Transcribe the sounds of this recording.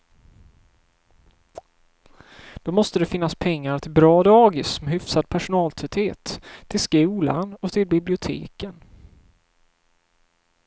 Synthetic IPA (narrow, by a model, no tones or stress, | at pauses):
d̪̥ɔmɔst̪əd̪ɛfɪnːaspʰɛŋːaɾt̪ʰɪlbɾɑːd̪ɑːɡɪsmɛɦʏfsad̪̚pʰæʂʊnɑːlt̪ʰɾœt̪heːt̪ʰːɪlskʉːla̰nɔt̪ʰɪlbɪblɪʊt̪ʰḛːkən